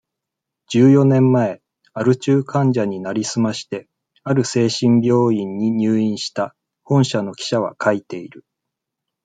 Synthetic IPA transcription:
d͡ʑɨːjo̞nẽ̞mːae̞ | aɾɯ̟t͡ɕɨːkʰãɲ̟d͡ʑaɲ̟inaɾʲisɨmaɕi̥t̪e̞ | aɾɯ̟se̞ːɕĩmbʲjo̞ːĩɲ̟ːiɲ̟ɨːĩɰ̃ɕi̥t̪a | hõ̞ɰ̃ɕano̞kʲi̥ɕaβ̞a̰kʰait̪e̞iɾɯ̟

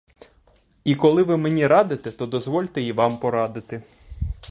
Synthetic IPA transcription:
ikɔlˠɪʋɪmenʲiɾɑd̪ɪt̪ɛt̪ɔd̪ɔzʋɔlʲt̪ɛjiʋɑmpɔɾɑd̪ɪt̪ɪ

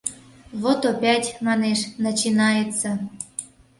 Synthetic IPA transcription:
βot̪opʲætʲmɑneʃnɑt͡ɕinɑjet͡sːə̆

